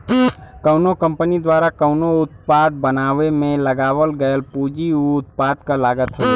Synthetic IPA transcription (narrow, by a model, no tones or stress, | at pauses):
kəʊnokə̃mpənid̪waːɾakəʊnoʊt̪paːd̪̚bənaːʋemẽləɡaːʋəlɡəəlpuːd͡ʒiuʊt̪̚paːd̪kalaːɡət̪ɦɛ